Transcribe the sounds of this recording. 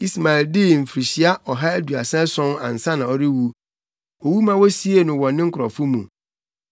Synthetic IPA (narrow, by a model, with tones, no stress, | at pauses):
i˦sma˨ɪ˨ldɪ˦m̩˨fɾi˨ɕi˦a˦ʔɔ˨ɦa˦æ˦du˨a̰˨sɛ̃˦sɔ̃˦na̰˨n̩˨sã˦nã˨ɔ˨ɾɪ˦wu˦ | ɔ˨wu˦mã˦wɔ˦si˦e˨nʊ̃˨wɔ̃˨nːɪ̃˦ŋ̩˦kʰʊ˨ɾɔ˨fʊ˦mũ˨